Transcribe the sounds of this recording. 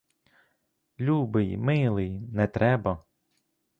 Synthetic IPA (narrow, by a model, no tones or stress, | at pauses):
lʲubɪjmɪlˠɪjnɛt̪ɾʔɛbɐ